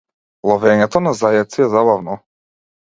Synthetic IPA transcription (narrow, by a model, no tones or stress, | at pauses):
lˠɔvɛɲɛt̪ɔnazajɛt̪siɛzabavnɔ